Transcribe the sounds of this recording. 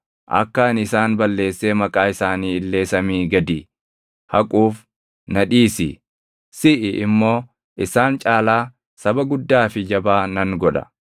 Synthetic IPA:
ʔɐ̰kːaːnɪsaːnbɐlːe̞ːsːe̞ːmɐkʼaːɪsaːniːɪlːe̞ːsɐmiːɡɐd̪iː | hɐkʼuːf | nɐᶑiːsɪ̰ | sɪʔɪʔɪmːo̞ː | ʔɪsaːnt͡ʃʼaːlaː | sɐbɐɡʊd̪ːaːfɪd͡ʒɐbaːnɐŋɡɔᶑɐ̥̰

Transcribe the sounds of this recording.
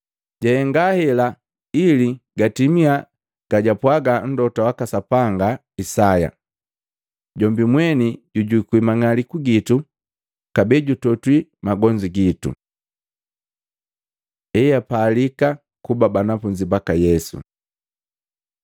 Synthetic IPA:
ɟahɛŋɡahɛla | iliɡatimia | ɡ̥aɟapwaɡan̩dɔtawakasapaŋɡa | isaja̰ | ɟɔmbimwɛniɟuɟuikwimaŋalikuɡitu | kabɛɟutɔtwimaɡɔɲd͡ʒiɡitṵ | ɛjapaːlika | kubabanafuɲd͡ʒibakajɛsṵ

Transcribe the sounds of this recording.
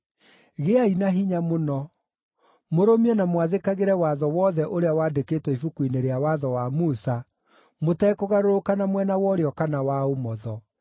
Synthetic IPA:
ɣeainaɦiɲamonɔ | moɾomiɛnamoaðekaɣeɾɛwaðɔwɔðɛʔoɾeawaːdeketwɛifukuineɾeawaðɔwamusa | motɛkoɣaɾoɾokanamwɛnawɔɾeɔkanawaomɔðɔ

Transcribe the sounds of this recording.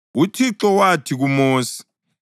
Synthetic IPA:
utʰiǁɔwatʰik̬umoːsi̥

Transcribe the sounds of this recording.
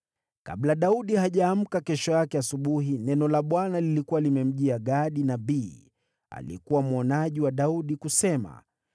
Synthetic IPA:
ka̰ɓlaɗauɗihaʄaːm̩kakɛʃɔjakɛasuɓuɦinɛnɔlaɓwanalilikuwalimɛm̩ʄiaɠaɗinaɓiː | a̰likuwamɔnaʄiwaɗauɗikusɛma̰

